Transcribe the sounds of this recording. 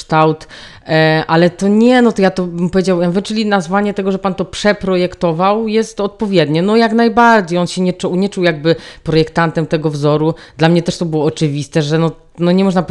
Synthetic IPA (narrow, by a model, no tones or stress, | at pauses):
t̪awt̪ | ʔalɛt̪ɔɲɛnɔt̪ɔjat̪ɔbɘmpɔvʲjed͡ʑawavɘt͡ʂɘlʲinazvaɲɛt̪ɛɡɔʐɛpant̪ɔpʂɛpɾɔjɛkt̪ɔvawjɛst̪ɔt̪̚pɔvʲjɛd̪ɲɛnɔjaknajbaɾd͡ʑejɔnɕɛɲɛt͡ʂɔwɲɛt͡ʂuwjaɡ̚bɘpɾɔjɛkt̪ant̪ɛmt̪ɛɡɔvzɔɾud̪lamɲɛt̪ɛʂt̪ɔbɘwɔːt͡ʂɘvʲist̪ɛʐɛnɔ | nɔɲɛmɔʐnap